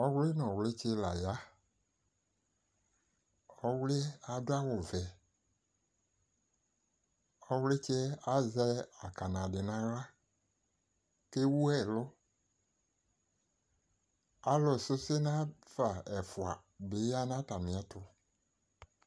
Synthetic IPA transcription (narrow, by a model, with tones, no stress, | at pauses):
ɔ˦wlɪ˦nɔ̃˨wlɪ˦t͡ʃe˦la˨ja˦ | ɔ˦wlɪ˦a˨dʊ˦a˦wʊ˨vɛ˨ | ɔ˦wlɪ˦t͡ʃɛ˦a˦zɛ˦a˨ka˨nã˨dɪ˨nã˨ɾa˦ | ke˦wu˦ɛ˨lʊ˦ | a˨lɔ˨sɪ˦se˦nã˦fa˨ɛ˨fʊ˨a˨ | bɪ˨˦ja˦nã˦ta˨mɪ̃˨a˨˦tʊ˦